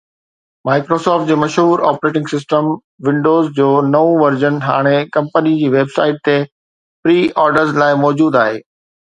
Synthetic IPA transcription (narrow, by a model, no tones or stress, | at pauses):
maːɪkɾoːsɔːfʈ̚d͡ʑeːmɐʃɦuːɾaːpɾeːʈɪ̃ŋɡsɪsʈəm | ʋɪ̃ɳɖoːzd͡ʑoːnɐũʋɐɾd͡ʑənɦa̰ːɽ̃ekɐ̃mpənid͡ʑiːʋeːbsaːɪʈ̚t̪e | pɾiːɔːɾɖəɾzlaːɪmɔːd͡ʑuːd̪aːɦḛː